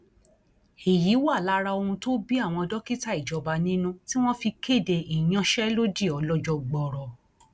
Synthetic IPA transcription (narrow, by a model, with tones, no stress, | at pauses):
i˨ji˨˦wa˦˨la˦ɾa˧o˧hũ˧to˦bi˦a˦˨w̃ɔ̃˧ɔ˧dɔ˦ki˦ta˦i˦˨d͡ʒɔ˨˧ba˧nĩ˦nũ˦ti˦w̃ɔ̃˦fi˧ke˦˨de˧i˨j̃ã˧ʃɛ˦lo˦di˦˨ɔ˨˧lɔ˧˦d͡ʒɔ˧ɡ͡bɔ˨ɾɔ˨